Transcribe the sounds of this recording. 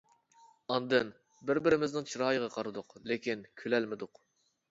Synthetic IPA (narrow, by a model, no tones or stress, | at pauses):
ɑnd̪ɨn | bɪɾbɪɾɪmɪznɪŋt͡ʃʰiɾɑːjəʁɑqʰɑɾɨd̪ʊqlekʲʰinkʲʰølɛlmɪd̪ʊq